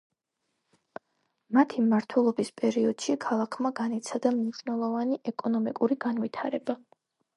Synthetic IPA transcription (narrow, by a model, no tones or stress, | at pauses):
mat̪ʰimaɾt̪ʰwɛlˠɔbispʼɛɾiɔd̪̥ʃikʰalˠakʰmaɡanit̪sʰad̪amniʃnɛlˠɔvaniʔɛkʼɔnɔmikʼuɾiɡanvit̪ʰaɾɛba